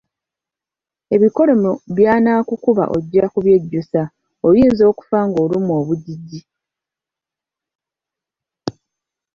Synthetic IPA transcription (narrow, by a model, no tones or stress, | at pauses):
e̞βiko̞lo̞moβjaːnaːkukuβa̰ʔo̞̰ɟːakuβje̞ɟːusa | ojiːnzo̞ːku̥faŋɡo̞ːlumuoːβuɟiɟːi